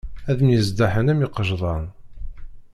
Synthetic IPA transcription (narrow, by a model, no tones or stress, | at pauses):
æðəmjəzd̪aħənæmiqːəʒðˤɑn